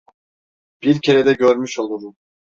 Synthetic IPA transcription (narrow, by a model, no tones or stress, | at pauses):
b̥iɾcʰeɾed̪ɛɟøɾmyʃolˠuɾu